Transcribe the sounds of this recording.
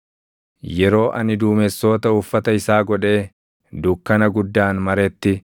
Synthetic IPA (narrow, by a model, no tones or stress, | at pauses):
jɛɾo̞ːʔɐ̰nɪd̪uːmɛsːo̞ːt̪ɐʊfːɐt̪ɐɪsaːɡɔᶑe̞ː | d̪ʊkːɐnɐɡʊd̪ːaːnmɐɾɛt̪ːɪ